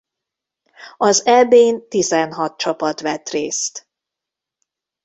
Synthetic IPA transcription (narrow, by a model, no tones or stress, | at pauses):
ɒzɛbeːnt̪izɛnɦɒt̪̚t͡ʃɒpɒt̪ʋɛt̪reːst̪